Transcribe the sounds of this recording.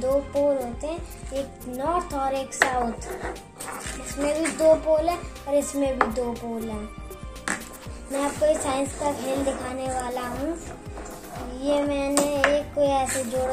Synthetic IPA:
d̪oːpoːlɦoːt̪eɦɛ̃eːknɔːɾt̪ʰɔːɾeːksaʊt̪ʰ | ɪsmẽbʱid̪oːpoːlɦɛ̃ɔːɾɪsmẽbʱid̪oːpoːlɦɛ̃ː | mɛ̃ɐb̚koɪsaːɪ̃nskakɦeːld̪ɪkʰaːneʋaːlaɦũ | jemɛ̃ːneeːkːoiɛːsed͡ʒoːɽ

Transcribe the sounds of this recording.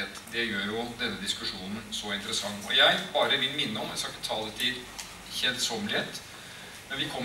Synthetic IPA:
et̪d̪ɛjøːɾjʊd̪ɛnːəd̪ɪskʉʂuːnn̩sɔɪnt̪əɾəsɑŋːɔjæɪbɑːɾəʋɪlmɪnːəɔmjæsɑkːət̪ʰɑːlət̪ʰɪ | çɛlt̪sɔmlɪɛt̪ | mɛnʋɪkʰɔmː

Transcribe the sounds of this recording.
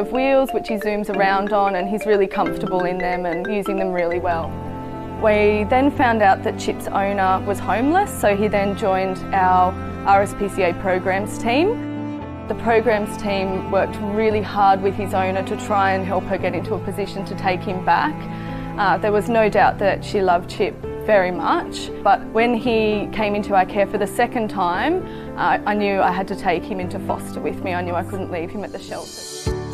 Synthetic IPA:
ʌvwilˠzwɨt͡ʃhizʉ̃mzə˞ãʊ̃ndn̩ɨ̃nizɹɪlˠikʰʌ̃ɱftə˞bəl̩ˠɪ̃nðɨ̃mɨ̃njʉzɪ̃ŋðɨ̃mɹɪlˠiwɛlˠ | wiðɨ̃nfãʊ̃ndaʊt̪̚ðɨt̚t͡ʃʰɪpsõ̰ʊ̃nə˞wʌz̥hõʊ̃mləsoʊiðɨ̃nd͡ʒɔ̃ɪ̃ndaʊə˞ | ʔɑɹɛspʰisieɪpʰɹ̥oʊɡɹæ̃mz̥tʰĩm | ðɨpʰɹ̥oʊɡɹæ̃mz̥tʰĩmwɜ˞k̚t̚ɹɪlˠihɑɹd̚wɨð̥ɨzõʊ̃nə˞ɾɨtʰɹ̥aɪɨ̃nɦɛlˠphə˞ɡɛɾɪ̃ntuəpʰɨzɪʃɨ̃n̩tʰɨtʰeɪkhɨ̃mbæ̰k | ðə˞wʌznoʊdaʊt̪̚ðɨtʃilʌv̥t͡ʃʰɪp̚vɛɹimʌt͡ʃ | b̥ʌt̚wɨ̃nikʰẽɪ̃mɪ̃ntʰʉakʰɛɹfə˞ðɨsɛkɨ̃ntʰãɪ̃m | ʔɪʔaɪnjʉa̰ɪɨd̚tɨtʰeɪkhɨ̃mɪ̃ntufɔ̰stə˞wɨðmiaɪnjʉaɪkʰʊdⁿn̩ʔliv̥ɨ̃mɨt̪̚ðɨʃɛ̰lˠtʰə˞

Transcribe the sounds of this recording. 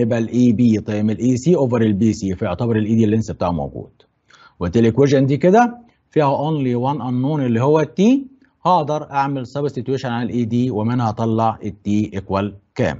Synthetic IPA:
ebælʔiːbiːt̪ˤɑjmelʔiːsiːʔoːvæɾelbiːsiːfæjoʕt̪æbɑɾˤelʔiːd̪iːlːensæb̚t̪aːʕumo̰wɡṵːd̪̥ | wet̪ːelekweʒænd̪iːked̪æ | fiːhæʔonliwænʔɑnːuːnʔelːiːhowːæt̪ːiː | hɑːd̪ˤɑɾˤʔaʕmelsˤɑbsit̪weʃænʕalælʔiːd̪iːwemenhɑt̪ˤɑlːɑʕʔet̪ːiːʔekwælkæ̰ːm

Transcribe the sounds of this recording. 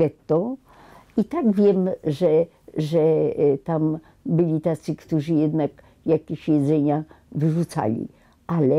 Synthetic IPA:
ɛt̪ːɔ | it̪aɡvʲjɛmʐɛ | ʐɛt̪am | bɘlʲit̪at̪sɘkt̪uʐɘjɛd̪nak | jakʲeɕjɛd̪zɛɲa | vɘʐut̪sa̰lʲḭ | ʔalɛ

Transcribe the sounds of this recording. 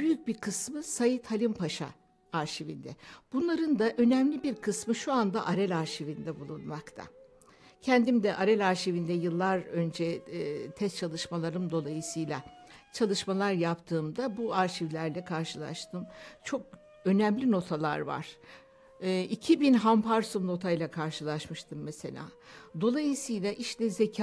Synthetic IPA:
b̥yjyc̚biɾkʰɯsmɯsajɯt̪ʰhalʲimpʰaʃa̰ | aɾʃivind̪ɛb̥unlˠaɾɯnd̪aʔø̞næmlʲibiɾkʰɯsmɯʃuand̪aʔaɾɛlʲaɾʃivind̪ɛbulˠunmakt̪ʰa̰ | cʰɛnd̪imd̪ɛʔaɾɛlʲaɾʃivind̪ɛjɯlˠːaɾø̞nd͡ʒɛt̪ʰɛst͡ʃʰalˠɯʃmalˠaɾɯmd̪o̞lˠajɯsɯjlʲˠat͡ʃʰalˠɯʃmalˠaɾjapt̪ʰɯːmd̪abuaɾʃivlʲæɾlʲɛkʰaɾʃɯlˠa̰ʃt̪ʰɯmt͡ʃʰo̞k̚ | ø̞nɛmlʲino̞t̪ʰalˠa̰ɾva̰ɾ̥ | ʔicʰibinɦampʰaɾsumno̞t̪ʰajlʲˠakʰaɾʃɯlˠaʃmɯʃt̪ʰɯmːeselʲa̰ːd̪o̞lˠajɯsɯjlˠaʔiʃlʲɛze̞cʰa

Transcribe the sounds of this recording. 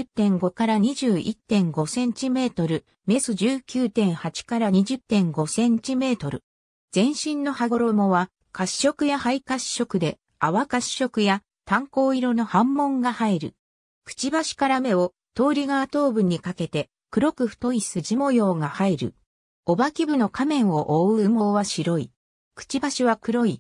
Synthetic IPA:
t̪ːẽ̞ŋɡo̞kaɾaɲ̟iʑɨːʔit̪ːẽ̞ŋɡo̞sẽ̞ɲt͡ɕime̞ːt̪o̞ɾɯ̟ | me̞sɨʑɨːkʲɨːt̪ẽ̞ɰ̃hat͡ɕi̥kaɾaɲ̟iʑɨt̪ːẽ̞ŋɡo̞sẽ̞ɲt͡ɕime̞ːt̪o̞ɾɯ̟ | z̥ẽ̞ɰ̃ɕĩnːo̞haɡo̞ɾo̞moβa | kaɕːo̞kɯ̟jahaikaɕɕo̞kɯ̟d̪e̞ | aβakaɕːo̞kɯ̟ja | t̪ãŋko̞ːiɾo̞no̞hãmːõ̞ŋɡahaiɾɯ̟ | kɯ̟̥t͡ɕibaɕi̥kaɾame̞o̞ | t̪o̞ːɾʲiɡaːt̪o̞ːbɯ̟ɲ̟ːikake̞t̪e̞ | kɯ̟ɾo̞kɯ̟ɸɯ̟̥t̪o̞isɨʑimo̞jo̞ːɡahaiɾɯ̟̰ | o̞bakʲibɯ̟no̞kʰamẽ̞ɰ̃o̞ʔoɯmo̞ːβaɕiɾo̞i | kɯ̟̥t͡ɕibaɕiβakɯ̟ɾo̞i

